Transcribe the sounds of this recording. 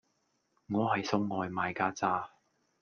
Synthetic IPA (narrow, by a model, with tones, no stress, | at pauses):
ŋɔː˨˧hɐ˨jsʊ˥wŋɔː˨jmaː˨jkaː˥t͡saː˥